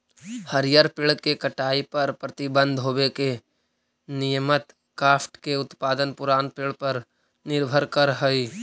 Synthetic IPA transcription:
həɾjəɾpɪɭkekɐʈaːipɐɾpɾɐt̪ɪbə̃nd̪ʱɦoːbeke | nɪjəmət̪ | kaːpʈkeʊt̪paːd̪ənpʊɾaːnpɪɭpɐɾ | nɪɾbʱəɾkəɾɦəi

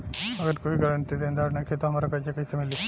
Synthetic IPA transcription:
ɐɡəɾkoiɡɐɾəɳt̪id̪ẽːnd̪aːɽnaket̪oɦɐmaːɾakɐt͡ʃekɐisemɪlio

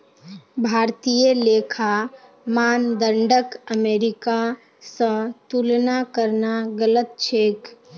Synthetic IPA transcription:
bʱaːɾt̪ijəleːkʰa | maːnd̪əɳɖəkəmeːɾɪka | sə̃t̪ulnakəɾnaɡələt̪̚t͡ʃʰeːk

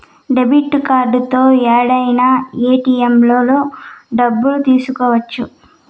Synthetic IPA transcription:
ɖebiʈːkaːɾɖut̪o̞ːɛːɽɐjnaeːʈiːemlo̞ːloːɖɐbːulut̪iːsukoːʋɐt͡ʃːu

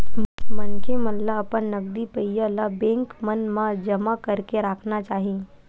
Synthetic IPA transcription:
mənkʰemənlapənːəɡ̚d̪ipəjjalabẽŋkmənmãd͡ʒəmakəɾkeɾakʰnat͡ʃaːɦi

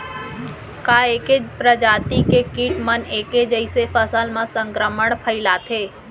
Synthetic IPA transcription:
kaːeːkepɾəd͡ʒaːt̪ikekiːʈməneːked͡ʒəɪsefəsəlmãsə̃ŋkɾəməɳ̃pʰəɪlat̪ʰeː

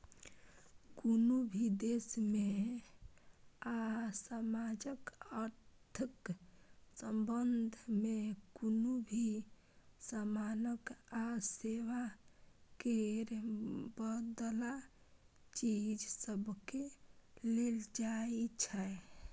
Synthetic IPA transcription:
konobʱid̪esme | asəmad͡ʒəkəɾt̪ʰək | səmbənd̪ʱmekonobʱi | samanəkaseʋa | keɾbəd̪la | t͡ʃid͡ʒsəbkeleld͡ʒaet͡ʃʰɛe

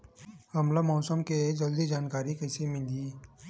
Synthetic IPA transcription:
hɐmlamɔːsəmked͡ʒɐld̪id͡ʒaːnkaːɾikɐɪsemɪ̃nd̪i

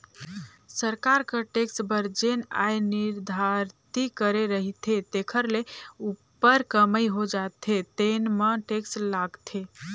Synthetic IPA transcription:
səɾkaɾkəʈeksbəɾd͡ʒena̰jniɾd̪ʱaɾt̪ikəɾeɾəɦit̪ʰet̪ekʰəɾleupːəɾkəməjɦod͡ʒat̪ʰet̪enməʈekslaɡt̪ʰe

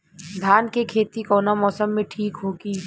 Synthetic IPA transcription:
d̪ʱaːnkekʰeːt̪ikɔːnamɔːsəmːẽʈʰiːkɦoːɡiː

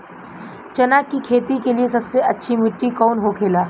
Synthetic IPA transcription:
t͡ʃɐnaːkːikʰeːt̪ikeliesɐbseʔɐtːʃʰimɪʈːikɔːnɦokʰeːlaː

